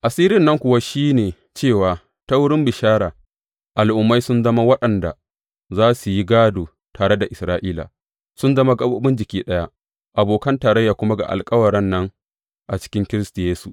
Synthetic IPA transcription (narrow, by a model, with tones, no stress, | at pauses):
ʔa˨siː˦ɾɪ˦nːɐ˦ŋkʷʊ˨wa˦ʃiː˦neː˨ | t͡ʃeː˦˨waː˨ | ta˦wʊ˦ɽɪ˦mbɪ˨ʃaː˦ɾaː˨ | ʔa˨lʔʊ˨mːa˦jsʊ˦nzɐ˦ma˦wɐ˦ɗɐ˨nda̰˨ | zaː˦su˨ji˦ɡaː˦doː˨ | taː˨ɽe˦da˨ʔɪ˨sɾaː˦ʔiː˦la̰ː˨ | sʊ˦nzɐ˦ma˦ɡɐ˦boː˦bɪ˦nd͡ʒɪ˨kʲiː˦ɗɐ˦ja˦ | ʔa˨boː˨kɐ˦ntaː˨ɾɐ˦jːaː˨kʷʊ˦ma˦ɡa̰˨ʔa̰˨lkʼɐ˦wɐ˨ɾɛ˦nːɐ˦ŋ | ʔa˨t͡ʃɪ̥˦kʲɪ˦ŋkʲɪ˦ɾɪ˦stu˨jeː˦su˨ʔ